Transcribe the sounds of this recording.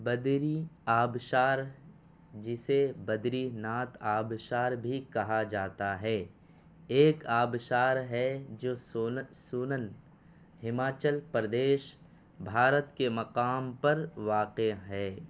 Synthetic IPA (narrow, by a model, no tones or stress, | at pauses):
bɐd̪ɾiaːbʃaːɾ | d͡ʒɪsebɐd̪ɾinaːt̪aːbʃaːɾbʱikɐɦad͡ʒaːt̪aɦɛː | eːkaːbʃaːɾɦɛd͡ʒoːssunən | ɦɪmaːt͡ʃəlpɾəd̪eːʃ | bʱaːɾət̪kemɐqaːmpɐɾʋaːqeɦɛː